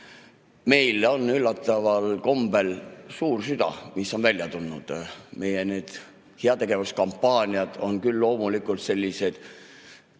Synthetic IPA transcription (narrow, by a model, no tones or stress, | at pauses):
me̞jlo̞nːylːɑt̪ːˑɑvɑlko̞mb̥e̞lsuːrsyd̪̥ɑ̰misːo̞nvælʲjɑt̪unːud̪̥me̞jene̞ːd̪̥ | heɑt̪e̞ɡe̞vuskɑmpːɑːnʲiɑd̪̥o̞nkylːo̞ːmulikˑult̪se̞lʲːise̞d̪̥